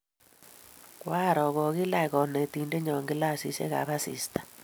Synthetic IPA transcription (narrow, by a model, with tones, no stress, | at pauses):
kwa˦˨ɾɔ˨ɣɔ˨ɣi˦la˦˨ɣɔ˨ne˨ti˨nde˦ɲɔ˨ŋɡɪ˦la˦˨si˨ʃḛ˦ɣa̰˨βa˦sḭ˨stḁ˦˨